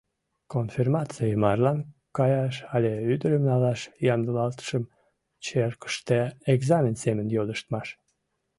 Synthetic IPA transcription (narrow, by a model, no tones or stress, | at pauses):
konfirmɑt͡sijəmɑrlɑnkɑjɑʃɑlʲeyd̪əɾəmnɑlɑʃjɑmd̪əlɑlt̪ə̥ʃəm | t͡ɕerkə̥ʃt̪eeɡzɑmʲensemənjoləʃt̪mɑʃ